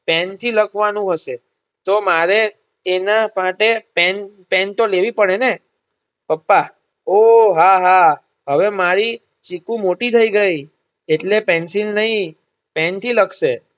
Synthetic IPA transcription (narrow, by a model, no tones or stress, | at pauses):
pɛnt̪ʰiləkʰʋanũɦəʃe | t̪omaɾeː | namaʈepɛn | pɛnt̪oleʋipəɽene | pəpːa | oɦaɦa | ɦəʋemaɾi | t͡ʃikũmoʈit̪ʰəiɡəi | eʈlepɛ̃nsinnəɦĩ | pɛnt̪ʰiləkʰʃe